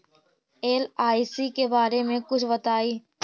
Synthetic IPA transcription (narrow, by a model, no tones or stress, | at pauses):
eːlaːisikebaːɾemẽkʊt͡ʃʰbɐt̪aːiː